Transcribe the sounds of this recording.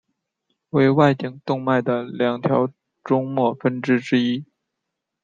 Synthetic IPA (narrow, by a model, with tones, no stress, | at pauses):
we˥˧ɪwa˥˧ɪt̪i˨˩ŋt̪ʊ˥˧ŋma˥˩ɪd̪ə˩ljɑ˨˩ŋt̪ʰjɑ˧˥ʊ | ʈ͡ʂʊ˥ŋmwɔ˥˩fə˥nʈ͡ʂɻ̩˥ʈ͡ʂɻ̩˥i˥